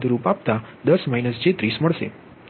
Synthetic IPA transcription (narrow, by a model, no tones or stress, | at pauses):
d̪ɾupapt̪a | d̪əsmainəsd͡ʒet̪ɾisməɭʃḛ